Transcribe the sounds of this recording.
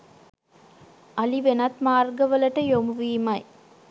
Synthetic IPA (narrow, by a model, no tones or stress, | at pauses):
ʔɐliʋenɐt̪maːrɡəʋəlɐʈəjomuʋiːmɐj